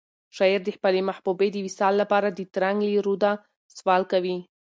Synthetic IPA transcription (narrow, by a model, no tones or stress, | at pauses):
ʃɑiɾd̪əħpalemaħbubed̪əwisɑlːapɑɾad̪ət̪ɾaŋɡliɾud̪a | swɑlkawi